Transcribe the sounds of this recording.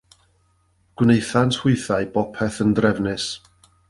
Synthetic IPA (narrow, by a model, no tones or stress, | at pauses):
ɡ̥wnejθantʰhʊɨθaɨbɔpʰɛθəndrɛvnɨs